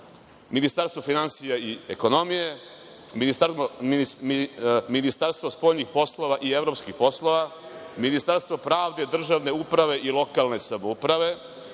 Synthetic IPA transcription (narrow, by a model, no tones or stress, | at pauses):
minist̪aɾst̪vofinansijaieko̞nomije̞ | minisao | minist̪aɾst̪ʋospo̞ːʎɲixpo̞slˠo̞ʋaʔievɾopskixpo̞sloʋaminist̪aɾst̪vo̞pɾaːʋd̪e̞d̪r̩ʒaʋne̞upɾaʋe̞ʔilˠo̞kalˠne̞samoupɾaʋe̞